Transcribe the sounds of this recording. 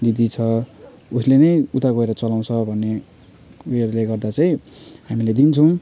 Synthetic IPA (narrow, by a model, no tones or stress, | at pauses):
d̪id̪it͡sʰʌ | uslenʌjut̪aɡʌeɾʌt͡sʌlaw̃t͡sʰʌbʱʌnːe | ueɾleɡʌrd̪at͡sʌĩhamiled̪int͡sʰʌw̃